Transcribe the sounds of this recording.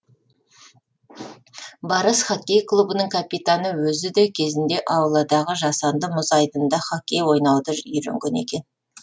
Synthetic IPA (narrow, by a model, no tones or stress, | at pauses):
bɑɾəsχakʲːe̞jklˠubənəŋkʰapit̪anəwɵzɪd̪e̞kʲʰe̞zɪnd̪e̞ʔɑwlˠɑd̪ɑʁəʒɑsɑnd̪əmʊzɑjd̪ənd̪ɑχakʲːe̞jwo̞jnɑwd̪əʏɾḛŋɡʲene̞̰kʲe̞n